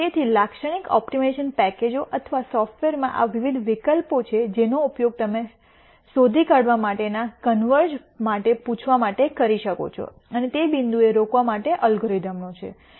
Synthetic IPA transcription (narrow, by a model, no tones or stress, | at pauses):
et̪ʰilakʃəɽ̃ikɔ̰pʈimeʃənpɛked͡ʒoʔət̪ʰʋasɔfʈʋeɾmã̰ʔa̰ʋiʋid̪ʱʋikəlpot͡ʃʰed͡ʒenoupjoɡ̚t̪əme | sod̪ʱikaɽʋamaʈenakənʋəɾd͡ʒ | maʈepũt͡ʃʰʋamaʈekəɾiʃəko̰t͡ʃʰo̰ | ənet̪ebind̪ueɾokʋamaʈeʔəlɡɾɔjd̪əmnot͡ʃʰḛ